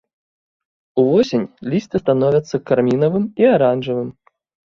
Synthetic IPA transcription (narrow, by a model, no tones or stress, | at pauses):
uvɔsʲenʲlʲist̪ɨst̪anɔvʲɐt̪sːɐkarmʲinɐvɨmiaɾanʐɨvɨm